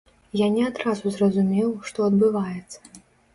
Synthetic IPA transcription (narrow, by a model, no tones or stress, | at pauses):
janʲɛad̪ɾazuzrɐzumʲɛwʂt̪ɔɐd̪bɨvajɛt̪sːɐ̥